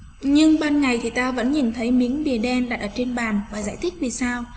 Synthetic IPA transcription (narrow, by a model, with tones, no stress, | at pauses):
ɲɨ˧ŋɓaː˧nŋa˨˩jt̪ʰi˨˩t̪aː˧və̰˧˥nɲḭ˨˩nt̪ʰə˨˦jmi˨˦əŋɓi˨˩əɗɛ˧nɗaː˨˩t̚ʔəː˧˩t͡ɕe˧nɓaː˨˩nvaː˨˩zaː˧˩jt̪ʰi˦˥k̟̚vi˨˩saː˧w